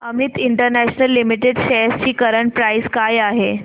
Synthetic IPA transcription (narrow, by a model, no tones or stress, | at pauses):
əmit̪iɳʈəɾnæɕnəlːimiʈeɖɕest͡ɕiːkəɾəɳpɾaiskajaɦe